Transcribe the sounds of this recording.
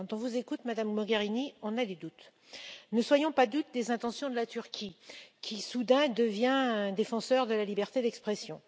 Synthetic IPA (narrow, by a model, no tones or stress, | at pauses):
kɑ̃t̪ɔ̃vuzekut̪mad̪ammɔɡʲaʁiniɔ̃nad̪ed̪ut̪ | nəswajɔ̃pad̪ut̪̚d̪ezɛ̃t̪ɑ̃sjɔ̃d̪əlat̪yʁkʲikʲisud̪ɛ̃d̪əvjɛ̃d̪efɑ̃sœʁd̪əlalibɛʁt̪ed̪ɛkspχɛsjɔ̃